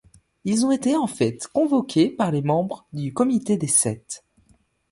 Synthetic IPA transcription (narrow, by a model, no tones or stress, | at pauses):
ilzɔ̃et̪eɑ̃fɛt̪kɔ̃vɔkʲʰepaʁlemɑ̃bʁd̪ykɔmit̪ed̪esɛt̪